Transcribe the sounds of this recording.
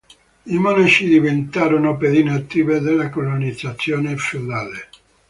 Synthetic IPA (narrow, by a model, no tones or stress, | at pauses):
imɔnat͡ʃid̪ivent̪aːɾonoped̪iːneat̪ːiːved̪elːakolonid̪zat̪sːjoːnefeod̪aːle